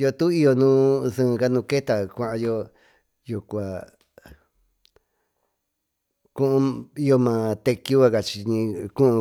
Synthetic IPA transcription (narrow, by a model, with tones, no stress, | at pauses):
jo˧t̪u˦i˦jo˧nũː˦sɨ̃˦˧ka˦nũ˧ke˦t̪a˨kʷã˧ʔã˧jo˧ | ju˨kʷa˨ | kũ˦ʔũ˧i˦jo˧mã˧t̪e˧ku˦a˧ka˧t͡ʃi˧ɲĩ˧kũ˦ʔũ˧